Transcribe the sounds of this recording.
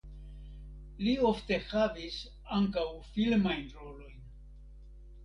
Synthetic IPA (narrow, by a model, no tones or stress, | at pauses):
liofte̞havis | aŋkawfilmajnɾo̞lo̞jn